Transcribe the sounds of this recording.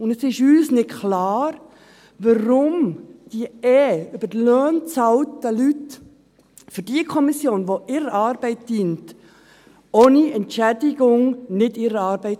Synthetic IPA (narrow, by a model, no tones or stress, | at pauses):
ʊndəsɪʃyːsnɪtkʰlɑːɾ | ʋəɾʊmd̥iəɛːʏbədlœːnt͡sɑltd̥əlyt | fʏɾdiəkʰɔmisjoːnʋoʔɪɾəʔɑːɾb̥ɛɪt̚d̥iːnt | oniɛntʃædɪɡʊŋnɪdɪɾəɑːɾbɛɪt